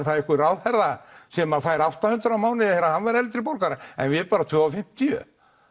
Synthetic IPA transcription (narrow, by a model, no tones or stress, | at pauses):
ɾ̥θaðɛhkɪraːwðhɛɾðasɛmafaːjɾawht̪ahʏnt̪ɾawmaːwnɪɛɾahanvaɾɛlɪt̪ɪɾpowɾkaɾɪɛ̰nvɪɛpaːɾat̪ʰvœːafɪm̥t̪ɪjʏ̰